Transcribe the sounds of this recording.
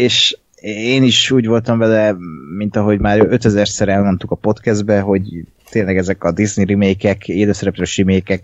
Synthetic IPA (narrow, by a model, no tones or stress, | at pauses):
eːʃ | eːniʃuːɟʋo̞lt̪ɒɱvɛlɛmint̪ɒɦo̞ɟmaːɾøt̪ɛzɛrsɛɾɛlmo̞nt̪ukɒpo̞t̪kɛzd̪̚bɛɦo̞ɟ | t̪eːnlɛɡɛzɛkɒd̪izniɾimeːkɛkeːløːsɛɾɛpɾøːʃrimeːkɛk